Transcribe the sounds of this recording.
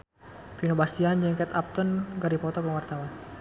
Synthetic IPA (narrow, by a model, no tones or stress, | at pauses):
pinobast̪iand͡ʒəŋkɛt̪ap̚t̪ɔnɡaɾipɔt̪ɔkəwart̪awan